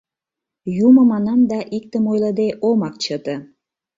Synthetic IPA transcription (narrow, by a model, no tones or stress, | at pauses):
jumə̆mɑnɑmd̪ɑʔik̚t̪əmojləd̪eʔomɑk̚t͡ɕət̪ə̆